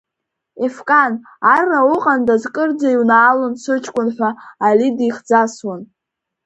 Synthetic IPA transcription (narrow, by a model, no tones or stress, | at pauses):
efkʼan | arːawʊqʼandazkʼɨrd͡zaiwnaːlɨnsʰʷɨt͡ʃʰʼkʷʼʊnħʷaːlidiχd͡zaswan